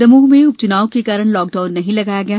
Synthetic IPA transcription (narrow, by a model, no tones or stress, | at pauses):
ɐmuːɦmẽʊp̚t͡ʃʊnaːokekaːɾəɽ̃lɔːk̚ɖaːʊnːɐɦĩlɐɡaːjaɡɐjaː